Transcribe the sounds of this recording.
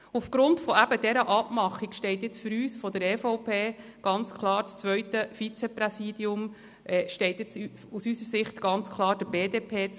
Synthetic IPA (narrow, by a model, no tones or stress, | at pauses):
ufɡ̥ɾʊntfɔæb̥əd̥ɛɾəʔɑpmɑχikʃtɛɪtjɛt͡sfʏɾyːsfɔd̪əɾɛfɔʊpʰeːɡ̥ɑnt͡skʰlˠɑːɾt͡st͡sʋœʏtəfit͡sɛprɛsiːd̥iʊm | ʔɛʃtɛɪtjɛt͡s | usysəɾsɪχt̪ɡ̥ɑnt͡skʰlˠɑːɾdəbeːdeːpʰeːt͡s